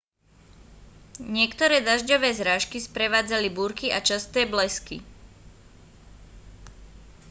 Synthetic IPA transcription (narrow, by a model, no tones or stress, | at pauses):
ɲɪɛkt̪ɔɾɛːd̪aʒɟɔʋɛːzɾaːʃkispɾɛʋaːd͡zalibuːɾkiat͡ʃast̪ɛːblɛskḭ